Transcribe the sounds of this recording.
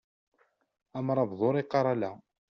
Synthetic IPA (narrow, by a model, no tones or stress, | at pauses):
æmɾˤɑbðˤoɾˤiqːɑɾˤɑlæ